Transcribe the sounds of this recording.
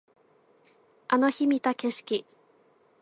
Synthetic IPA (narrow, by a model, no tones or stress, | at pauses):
ano̞çimʲit̪ake̞ɕi̥kʲi